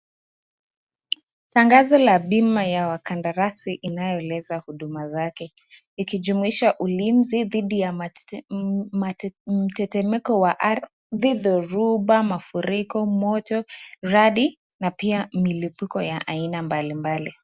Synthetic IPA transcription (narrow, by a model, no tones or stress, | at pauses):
taŋɡazɔlaɓimajawakandaɾasiʔinajɔlɛzahuɗumazakɛ | ikiʄumuiʃaʔulinziðiɗija | m̩tɛtɛmɛkɔwaʔa | ðiðɔɾuɓamafuɾikɔmɔtɔɾaɗi | napiamilipukɔjaʔainambalimbali